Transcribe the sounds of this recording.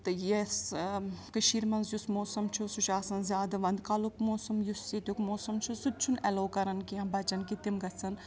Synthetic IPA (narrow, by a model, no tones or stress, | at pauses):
t̪ɨjes | kɨʃiːɾmɐnzjusmoːsɐmt͡ʃʰusut͡ʃaːsɐnzʲjaːd̪ɐʋɐnd̪kalukmoːsɐmjusːit̪ʲjukmoːsɐmt͡ʃʰusut̚t͡ʃʰunɛloːkɐɾɐnkiɐ̃bɐt͡ʃɐnkit̪imɡɐt͡sʰɐn